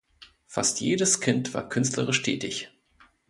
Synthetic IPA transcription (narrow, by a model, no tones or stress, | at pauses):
fa̰stjeːdəskʰɪntv̥a̰ːɐkʰʏnstləʁɪʃtʰɛ̰ːtɪç